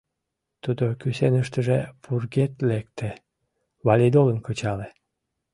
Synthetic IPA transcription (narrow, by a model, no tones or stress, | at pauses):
t̪ud̪okysenəʃt̪əʒepurɡet̪lek̚t̪e | βɑlʲid̪olənkət͡ɕɑle